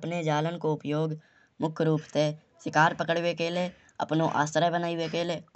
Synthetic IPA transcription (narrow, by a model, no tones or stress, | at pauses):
pned͡ʒaːlənkoʊpjoːɡ | mʊkʰɾuːpt̪e | ʃɪkaːɾpəkəɽwekele | ə̰pnoʔa̰ːst̪ɾəbənaːiwekeleː